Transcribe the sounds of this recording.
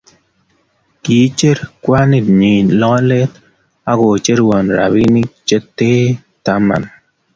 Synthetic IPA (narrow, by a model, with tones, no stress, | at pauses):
ki˨˦t͡ʃe˦ɾkwa˦ni˨tɲi˨nlɔ˦le˦t̪ | a˦ɡo˨t͡ʃe˦ɾwɔ˨nɾa̰˨βi˦ni˦k̚t͡ʃe˦tːe˦ | ta˦ma̰˨n